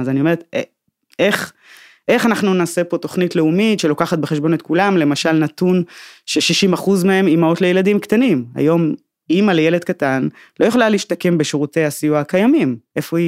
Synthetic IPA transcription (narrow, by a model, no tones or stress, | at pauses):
zanio̞me̞ʁet̪e | eχ | ʔe̞χanaχnunaːse̞po̞t̪o̞χnitle̞umitʃe̞lokaχat̚beχeʃbo̞net̚kulamle̞maʃalnatunʃeʃiʃimaχuzmee̞mimaotlejeladimktanima̰jo̞m | imaleje̞led̪̚katan | lo̞joχlaliiʃtake̞mbeʃeʁute̞jasijuakajamimʔe̞fo̞i